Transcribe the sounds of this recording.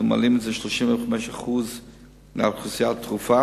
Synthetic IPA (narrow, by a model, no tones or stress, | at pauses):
ma̰lˠɪmnzɪʃlˠɔʃɪməχmɛʃaχuːz | na̰tχʊsjaltʁufa